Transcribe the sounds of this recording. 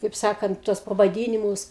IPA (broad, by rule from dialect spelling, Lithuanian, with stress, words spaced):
kɐɪp ˈsɑːkɐnt ˈtuɔs pɐʋɐˈdʲiːnʲɪmʊs